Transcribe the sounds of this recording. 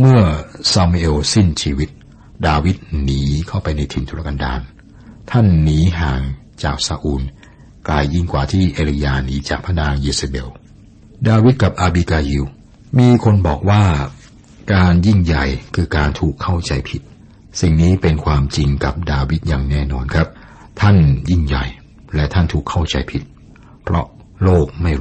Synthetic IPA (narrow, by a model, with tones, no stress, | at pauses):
mɯ˥˩ɐsaː˧mi˧ʔe˧wsi˥˩nt͡ɕʰiː˧wi˦˥t̪̚ | daː˧wi˦˥t̪̚niː˩˦kʰa˥˩wpa˧jna˧jt̪ʰi˨˧˩nt̪ʰu˧ɾa˦˥ka˧nda̰ː˧n | t̪ʰa˥˩nːiː˩˦ɦaː˨˩ŋ | t͡ɕaː˨˩k̚saː˧ʔuː˧n | klaː˧jːi˥˩ŋkwaː˨˩t̪ʰiː˥˩ʔeː˧li˧jaː˧niː˨˦t͡ɕaː˨˩k̚pʰa˧naː˧ŋʔiː˧sa˧be˧w | daː˧wi˦˥t̪̚ka˨˩p̚ʔaː˧biː˧kaː˧ji˧w | miː˧kʰo˧nbɔː˨˩k̚waː˥˩ | kaː˧nji˥˩ŋja˨˩jkʰɯː˧kaː˧nt̪ʰuː˨˩kʰːa˥˩wt͡ɕa˧jpʰi˨˩t̪̚ | si˨˩ŋniː˦˥pe˧nkʰwaː˧mt͡ɕi˧ŋka˨˩p̚daː˧wi˦˥t̪̚jaː˨˩ŋnɛː˥˩nɔː˧nkʰa˦˥p̚ | t̪ʰa˥˩nji˥˩ŋja̰˨˩j | lɛ˦˥t̪ʰa˥˩nt̪ʰuː˨˩kʰːa˥˩wt͡ɕa̰˧jpʰi˨˩t̪̚ | pʰɾɔ˦˥ | loː˥˩k̚ma˥˩j